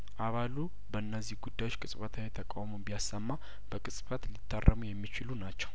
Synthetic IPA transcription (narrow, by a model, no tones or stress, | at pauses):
ʔaβalu | bəɨnːəzːihɡud̪ːajot͡ʃːkʼɨsʼfət̪ʰawet̪ʰəkʼawmobijasːəmːa | b̥əkʼɨsʼfət̪lit̪ʰːarːəmujɛmːit͡ʃɪlunat͡ʃːɛ̥w